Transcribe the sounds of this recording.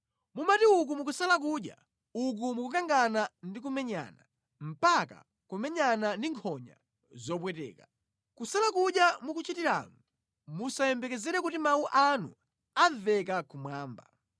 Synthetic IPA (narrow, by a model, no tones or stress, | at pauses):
mumatiuk̬umuk̬usalak̬uːɗja̰ | uk̬umukukaŋɡanandik̬umɛɲa̰na | m̩paka̰ | kumɛɲanandiŋkʰɔɲa̰ | zɔp̬wɛtɛ̰ːka | kusalakuɗjamukut͡ʃitiɾa̰ŋu | musajɛmbɛkɛzɛɾɛk̬utimauʔanṵ | avɛkakumwaːmba̰